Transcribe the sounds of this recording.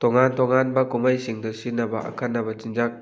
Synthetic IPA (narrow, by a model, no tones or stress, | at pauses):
tɔŋantɔŋanbɐkumajsiŋdɔsinːɐbɐʔa̰kʰanːɐbɐt͡ʃind͡ʒak̚